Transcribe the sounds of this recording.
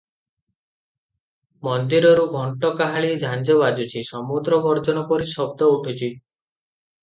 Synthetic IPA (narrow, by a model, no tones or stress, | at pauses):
mɔnd̪iɾɔɾuɡʱɔɳʈɔkaɦaɭid͡ʒʱand͡ʒɔβad͡ʒut͡ʃʰisɔmud̪ɾɔɡɔɾd͡ʒɔnɔpɔɾisɔbd̪ɔuʈʰut͡ʃʰi